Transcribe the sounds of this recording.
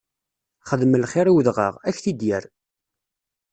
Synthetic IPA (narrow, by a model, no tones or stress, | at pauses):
χəðməlχɪɾiwðʁə̰ʁæçθid̪jəɾ